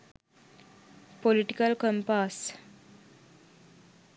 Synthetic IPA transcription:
poliʈikəlkəmpas

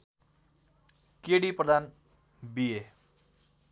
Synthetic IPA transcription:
keɽiprʌd̪ʱan | bie

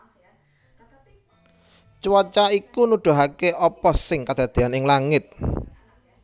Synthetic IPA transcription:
t͡ʃwɔt͡ʃaikunuɖ̪̥o̤ɦakeʔɔpɔsɪŋkad̪̥a̤d̪̥e̤anɪŋlaŋɪt̪̚

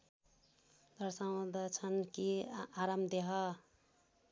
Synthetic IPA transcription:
d̪ʌɾsaw̃d̪ʌt͡sʰʌnkiaɾamd̪eɦʌ

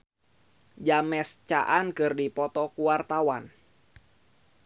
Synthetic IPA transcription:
d͡ʒamɛst͡ʃa̰ʔankɨrdipɔt̪ɔkuwart̪awan

